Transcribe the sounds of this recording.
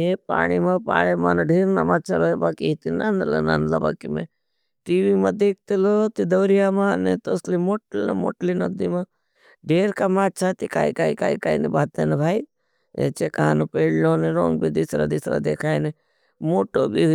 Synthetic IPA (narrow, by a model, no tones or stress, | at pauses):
epa̰ːɽ̃imɐ̃pa̰ːɽ̃emaneɖʱeːɾna̰matːt͡ʃʰaɾoebaːkiit̪inanlḛna̰nla̰ba̰ːkimḛ | ʈiʋimɐd̪eːk̚ʰt̪ilot̪id̪ɐwɾijamanet̪oslimoːʈln̰mo̰ʈlinɐd̪ima | ɖʱeːɾkamaːt͡ʃʰat̪ika̰ːikaːikaːikainibaːt̪enebʱaːi | ḛt͡ʃekaanepeːɽloneɾoːŋɡbid̪isɾa̰d̪isɾa̰d̪eːkʰaːjne | moːʈobi